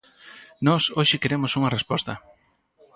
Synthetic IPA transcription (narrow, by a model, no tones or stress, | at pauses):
nɔsoʃɪkeɾemʊsuŋɐrespɔst̪ɐ